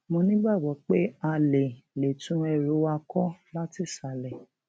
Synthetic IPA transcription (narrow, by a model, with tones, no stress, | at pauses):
mõ˧nĩ˦ɡ͡ba˦˨wɔ˨˦k͡pe˦a˧le˨le˨tũ˦ɛ˧ɾo˨˦wa˧kɔ˦la˦ti˦˨sa˨˦lɛ˨